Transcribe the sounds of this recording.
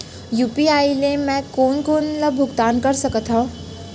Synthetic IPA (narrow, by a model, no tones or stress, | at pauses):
juːpiaːilemɛ̃konkoːnləbʱʊɡt̪aːnkəɾsəkət̪ʰɦɔ̃